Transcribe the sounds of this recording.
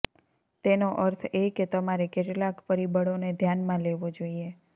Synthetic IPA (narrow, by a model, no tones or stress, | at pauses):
t̪enoʔəɾt̪ʰeket̪əmaɾekeʈlakpəɾibəɽoned̪ʱjanmãleʋod͡ʒoie